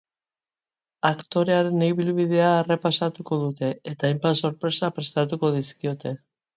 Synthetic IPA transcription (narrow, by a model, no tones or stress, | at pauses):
akt̪o̞ɾe̞aɾe̞nejβilβið̞e̞aːrepasat̪uko̞ðut̪e̞et̪aːjmpaso̞ɾpɾe̞sapɾe̞st̪at̪uko̞ðiskio̞t̪e̞